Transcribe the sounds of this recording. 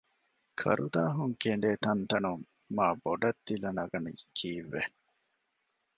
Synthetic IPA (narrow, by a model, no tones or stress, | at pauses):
kʰɐ̰ɾʔud̪aːɦuŋkeɳɖeːt̪ɐnt̪ɐnumː | aːboɖɐd̪ːilɐnɐɡɐnḭkʰiːʋːe